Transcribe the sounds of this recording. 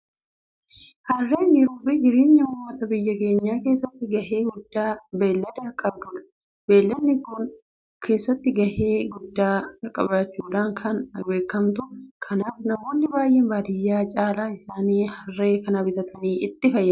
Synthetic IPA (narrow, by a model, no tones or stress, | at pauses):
hɐrːe̞ːnɡɪɾuːbɪd͡ʒɪɾeːɲːɐhʊːmːɐt̪ɐbɪjːɐke̞ːɲːaːke̞ːsːɐt̪ːɪɡɐhe̞ːɡʊd̪ːaːbeːlːɐd̪ɛɐkʼɐbd̪ʊᶑ̪ɐ̥ | be̞ːlːɐnːɪkːʊn | kʰe̞ːsːɐt̪ːɪɡɐheːɡʊd̪ːaːɐkʼːɐ̰baːt͡ʃːuːᶑ̪aːŋkʰɐnɐbe̞ːkːɐmt̪ʊkʰɐnaːfnɐmoːnːɪbaːjːɛnbaːd̪ɪjːaːt͡ʃʼaːlaːɪsaːniːhɐrːe̞ːkɐnɐbɪt̪ɐt̪ʰɐniːɪt̪ːɪfɐjːɐ